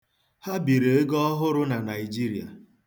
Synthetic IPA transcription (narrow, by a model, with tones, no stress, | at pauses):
ha˦bi˨ɾe˨e˦ɡɔ˦ɦʊ˦ɾʊ˦na˨na˨i˨d͡ʒi˦ɾi˨a̰˨